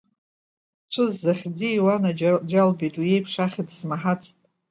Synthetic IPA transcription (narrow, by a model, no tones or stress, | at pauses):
t͡ʃʷʰʊzːaχʲd͡ziːwanad͡ʒalbitʼwuje̞jpʰʂaχʲidsmaħat͡sʰʼtʼ